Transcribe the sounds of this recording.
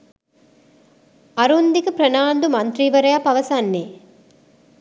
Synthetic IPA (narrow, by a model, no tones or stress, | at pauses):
ɐɾund̪ikupɾɐnaːnd̪umɐnt̪ɾiʋɐɾɐjapɐʋɐsanːeː